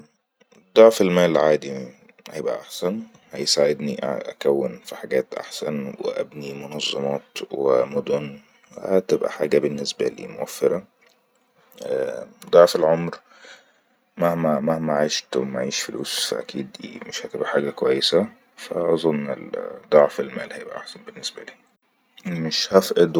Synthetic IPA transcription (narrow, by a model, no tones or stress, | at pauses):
d̪ˤɑʕfelmæːlʕaːd̪i | hajebʔaʔaħsæn | hæjsaʕed̪niʔʔakæwːɪnfiħaɡæːt̪ʔa̰ħsænwɪ̰ʔæ̰bnimʊnɑzˤːɑmɑːt̪wɪmʊd̪ʊn | hæt̪ɪbʔæ̰ħaːɡæbɪnːɪsbæ̰lḭːmʊwæfːɪɾˤɑ | æd̪ˤɑʕfelʕomɾ | mæhmæmahmæʕajʃt̪maʕiːʃfʊlṵːsfa̰ʔæ̰kʰiːd̪ḭːmɪʃhæt̪ebʔæħaːɡækwæjːesæ | fæʔɑzˤonːɪ̰ld̪ˤɑʕfelmæːlhæjebʔæ̰ʔaħsænbenːesbæliː | meʃhæfʔed̪